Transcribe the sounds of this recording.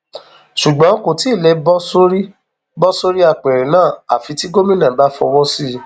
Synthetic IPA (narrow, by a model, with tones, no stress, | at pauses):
ʃu˨ɡ͡bɔ̃˨˦ko˨ti˨˦˨lɛ˧bɔ˦so˦ɾi˦ | bɔ˦so˦ɾi˦a˧˨k͡pɛ˨ɾɛ̃˨nãː˦˨a̰˨fi˧ti˦ɡo˦mĩ˦nã˨ba˦fɔ̰˧wɔ̃˦si˦˨ɾ